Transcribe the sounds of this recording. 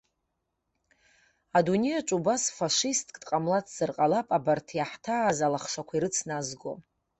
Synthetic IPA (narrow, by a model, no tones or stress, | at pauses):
adunejat͡ʃʼubasfaʂistʼkʼtqʼamlatʰz̥ɨrqʼalapʼabartʰjaħtʰaːzalaχʂakʷʰaiɾɨt͡sʰnazɡo̰